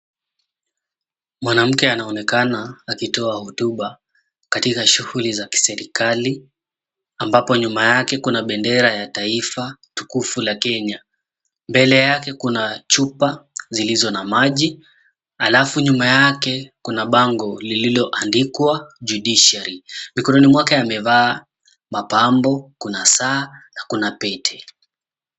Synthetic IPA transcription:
mwanam̩kɛanaɔnɛkanaːkitɔahɔtuɓa | katikaʃuhulizaki̥sɛɾikali | ambapɔɲumajakɛkunaɓɛndɛɾajataifatukufulakɛɲa | mbɛlɛjakɛkunat͡ʃupazilizɔnamaʄi | a̰lafuɲumajakɛkunaɓaŋɡɔlililɔʔandikwaʄuɗiʃɛɾimikɔnɔnimwakajamɛvaː | mapambɔkunasaːnakunapɛtʰɛ̥

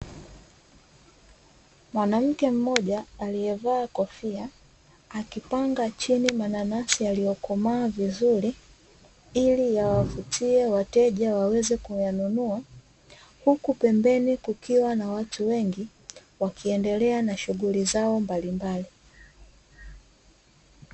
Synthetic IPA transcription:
mwanam̩kɛm̩mɔʄaːlijɛvaːkɔfia | akipaŋɡat͡ʃinimananasialijɔkɔmaːvizuɾi | ilijawafutʰiɛwatɛʄawawɛzɛkujanunua | hukupɛmbɛnikukiwanawatuwɛŋɡi | wakʰiɛndɛlɛanaʃuɣulizaɔmbalimbali

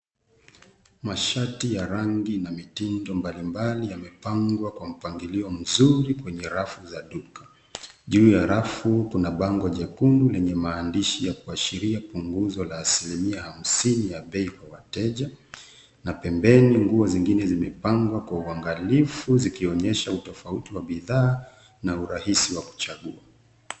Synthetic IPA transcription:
maʃatijaɾaŋɡinamitindɔmbalimbalijamɛpaŋɡwakwam̩paŋɡiliɔm̩zuɾikwɛɲɛɾafuzaɗukḁ | ʄuːjaɾafukunaɓaŋɡɔʄakunulɛɲɛmaːndiʃijakuaʃiɾiapuŋɡuzɔlaːsilimiaham̩sinijaɓɛikwawatɛʄa | napɛmbɛniŋɡuɔziŋɡinɛzimɛpaŋɡwakwauaŋɡalifuzikiɔɲɛʃautɔfautiwaɓiðaː | nauɾahisiwaku̥t͡ʃaɠua

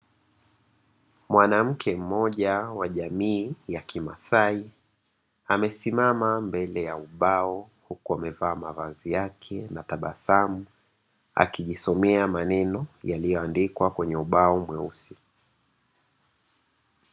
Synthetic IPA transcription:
mwanam̩kʰɛm̩mɔʄawaʄamiːjakʰima̰sai | amɛsimamambɛlɛjauɓaɔ | hukuamɛvaːmavazijakʰɛnataɓasamu | a̰kiʄisɔmɛamanɛnɔjalijɔandikwakwɛɲɛuɓaɔmwɛusi

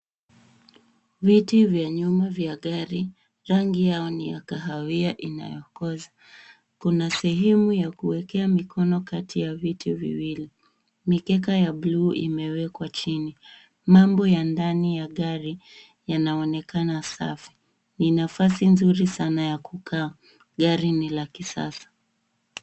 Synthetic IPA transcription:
vitivjaɲumavjaɠaɾi | ɾaŋɡijaɔnija̰kaɦawiaʔina̰jɔkɔza | kunasɛɦɛmujakuwɛkɛamikʰɔnɔkatʰijavitʰivḭwili | mikɛk̬ajabluːʔḭmɛwɛkwat͡ʃini | mambɔjandanijaɠaɾi | janaɔnɛkanasa̰fi̥ | ninafasinzuɾisanajakukʰaː | ɠaɾinilakisa̰sḁ

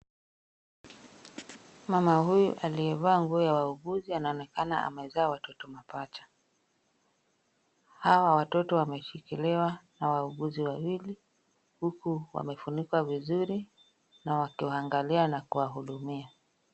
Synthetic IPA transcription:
mamahujuʔaliɛvaːŋɡuɔjawauɠuzianaɔnɛkana̰ʔa̰mɛzaːwatɔtɔmapat͡ʃḁ | hawawatɔtɔwamɛʃikilɛwanawauɠuziwawili | hukuwa̰mɛfunikwavizuɾi | nawakiaaŋɡalianakuwaɦuɗumia

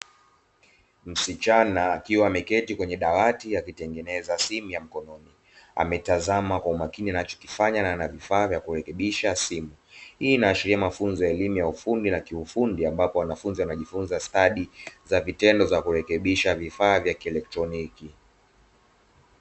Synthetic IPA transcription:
m̩sit͡ʃanaːkiwamɛkɛtikwɛɲɛɗawatiakitɛŋɡɛnɛzasimujam̩kɔnɔni | a̰mɛtazamakwaumakinianat͡ʃɔ̥ki̥faɲananavifaːvjakuɾɛkɛɓiʃasimuhiːnaːʃiɾiamafunzɔjaɛlimujaufundinakiufundiambapɔwanafunzianaʄifunzastaɗizavitɛndɔzakuɾɛkɛɓiʃavifaːvjakiɛlɛk̚tɾɔniki

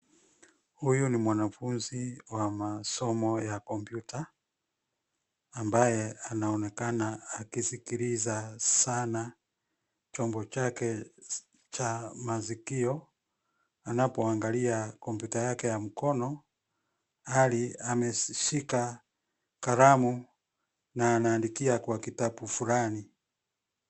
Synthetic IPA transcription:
hujunimwanafunziwamasɔmɔjakɔmpjutʰa | mbajɛanaɔnɛkanaakisikiɾizasana | t͡ʃɔmbɔt͡ʃakɛ | t͡ʃamazikiɔ | anapɔaŋɡaliakɔmpjutajakɛjam̩kɔnɔ | aliamɛʃika | kaɾamu | naːnaːndikiakwakitabufulani

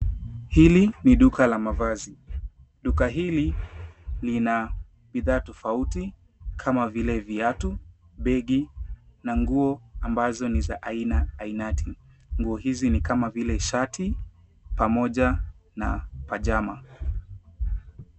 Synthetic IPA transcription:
hiliniɗukalamavazi | ɗukaɦili | lina | ɓiðaːtɔfauti | kʰamavilɛviatu | ɓɛɠinaŋɡuɔambazɔnizaʔainaːinati | ŋɡuɔhizinikamavilɛʃatʰi | pamɔʄana̰paʄama

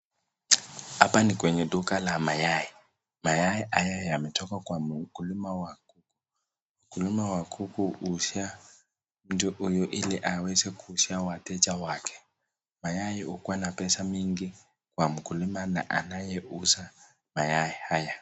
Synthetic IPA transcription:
apanikwɛɲɛdukʼalamajaji | majaiʔajajamɛtʰɔkakwamukulimawakuku̥ | m̩kulimawakʰukuʔusia | m̩tuʔujuʔiliʔawɛsɛkusiawatʰɛt͡ʃawakʰɛ̥ | majajiukwanapɛsamiŋɡi | kwamukulimana̰ʔa̰najɛʔusa | majajihaja

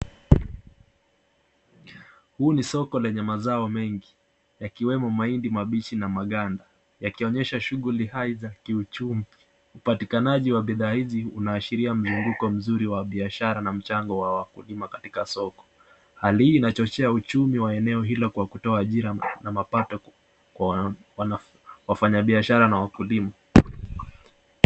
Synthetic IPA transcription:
huːnisɔkɔlɛɲɛmazaɔmɛŋɡi | jakiwɛmɔmaindimaɓit͡ʃinamaɠanda | jakiɔɲɛʃaʃuɠulihaizakiut͡ʃumi | upatikanaʄiwaɓiðaːhiziṵnaːʃiɾiam̩zuŋɡukɔm̩zuɾiwaɓiaʃaɾanam̩t͡ʃaŋɡɔwawakulimakatikasɔkɔ̥ | halihiːnat͡ʃɔt͡ʃɛaut͡ʃumiwaɛnɛɔɦilɔkwakutɔaːʄiɾanamapatɔ | kwawa | wafaɲaɓiaʃaɾanawakulima

